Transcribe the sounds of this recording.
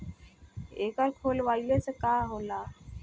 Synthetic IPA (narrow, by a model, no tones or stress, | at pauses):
eːkəɾkʰoːlʋaːilesekaːɦolaː